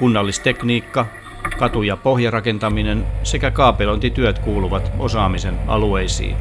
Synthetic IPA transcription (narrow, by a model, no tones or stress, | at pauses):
kunːɑlːist̪ekniːkːɑ | kɑt̪ujɑpohjɑrɑkent̪ɑminensekækɑːpelont̪it̪yøt̪kuːluʋɑt̪osɑːmisenɑ̰lueisḭːn